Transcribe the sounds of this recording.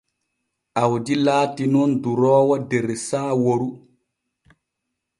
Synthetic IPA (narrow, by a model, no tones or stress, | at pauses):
ʔawd͡ʒilaːtinɔnduɾɔːwadɛɾɛsaːwoɾu